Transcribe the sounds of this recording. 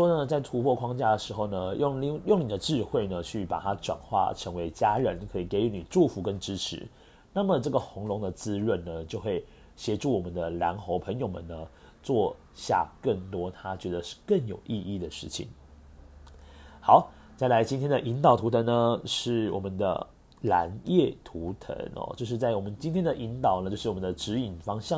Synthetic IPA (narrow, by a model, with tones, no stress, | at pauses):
ʂwɔ˥nə˨t͡sa˥˩ɪt̪ʰu˧˥pʰwɔ˥˧kʰwɑ˥ŋt͡ɕja˥˩d̪ə˩ʂɻ̩˧˥xo˥˩ʊnə˩jo˥˨ŋ˥˧jo˥˩ŋni˨˩d̪ə˦ʈ͡ʂɻ̩˥˧xwe˥˩ɪnə˩t͡ɕʰy˥˩pa̰˨˩t̪ʰa˥ʈ͡ʂwa̰˨˩nxwa̰˥˩ʈ͡ʂʰə˧˥ŋwe˧˥ɪt͡ɕja˥ɻə˧˦nkʰɤ˧˥i˨˩ke˧˥ɪy˧˥ni˨˩ʈ͡ʂu˥˩fu˧˥kə˦˥nʈ͡ʂɻ̩˥ʈ͡ʂ̩ʰ˧˦ | na˥˩mə˩ʈ͡ʂɤ˥˩ɡə˩xʊ˧˥ŋlʊ˧˥ŋd̪ə˨t͡sɹ̩˥ɻə˥˩nnə˩t͡ɕjo˥˧ʊxwe˥˩ɪ | ɕjɛ˧˥ʈ͡ʂu˥˩wɔ˨˩mə˨˦nd̪ə˧˩lja̰˧˥ŋxo˧˥ʊpʰə˧˥ŋjo˨ʊmə̰˨nə˦ | t͡swɔ˥˧ | ɕja̰˥˩kə˥˩ŋt̪wɔ˥t̪ʰa˥t͡ɕɥɛ˧˥d̪ə˧ʂ̩˥˧kə˥˩njo˨˩ʊʔi˥˧i˥˩d̪ə˩ʂɻ̩˥˩t͡ɕʰḭ˨˩˦ŋ | xɑ˧˦ʊ | t͡sa˥˩ɪla˧˥ɪt͡ɕi˥nt̪ʰjɛ˥nd̪ə˨ʔi˧˥nt̪ɑ˨˩ʊt̪ʰu˧˥t̪ʰə˧˥nə˧ʂɻ̩˥˩wɔ̰˨˩mə˨˦nd̪ə̰˧ | la̰˧˥njɛ˥˩t̪ʰu˧˥t̪ʰə̰˧˥nɔ̰˨˩t͡ɕjo˥˧ʊʂ̬ɻ̩˥˧t͡sa˥˩ɪwɔ˨˩mə˦nt͡ɕi˥nt̪ʰjɛ˥nd̪ə˨ʔi˧˥nt̪ɑ˨˩ʊnə˩t͡ɕjo˥˧ʂ̩˥˩wɔ˨˩mə˦nd̪ə˧ʈ͡ʂɻ̩˧˥i˨˩nfɑ˥ŋɕjɑ˥˨